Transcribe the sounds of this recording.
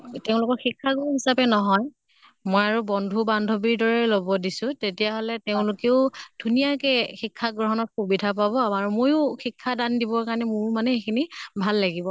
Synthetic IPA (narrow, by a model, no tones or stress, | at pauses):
teʊ̃lʊkɔɹxikʰːaɡoɦisapɛnɔɦɔj | mɔjaɹubɔndʱubandʱobiɹdɔɹɛlobɔdisʊ̃tetijaɦɔlɛteʊ̃lʊkeʊd̥ʱunijakɛxikʰːaɡɹɔɦɔnɔt̚xubidʱapabɔamaɹumojʊxikʰːadandibɔkaɹnɛmʊɹmanɛxekʰinibʱalːaɡibɔ